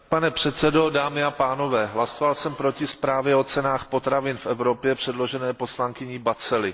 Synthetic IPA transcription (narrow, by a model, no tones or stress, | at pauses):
panɛpr̝̥ɛt̪sɛdo̞daːmɪapaːno̞vɛːɦlasovalsɛmpɾo̞cɪspɾaːvjɛo̞t͡sɛnaːxpo̞t̪ɾavɪnfɛvɾo̞pjɛpr̝̥ɛdlo̞ʒɛnɛːpo̞slaŋkɪɲɪbat͡sɛlɪ